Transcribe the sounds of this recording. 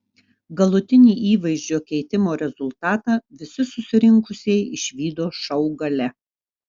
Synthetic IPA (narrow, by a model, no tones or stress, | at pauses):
ɡɐlˠʊt̪ʲɪnʲiːʔiːʋɐɪʒʲd͡ʒʲoːkʲɛɪt̪ʲɪmoːɾʲɛzʊlˠt̪ɑːt̪ɑʋʲɪsʲɪsʊsʲɪɾʲɪŋkʊsʲɛɪɪʃʲʋʲiːd̪oːʃɐʊɡɐlʲɛ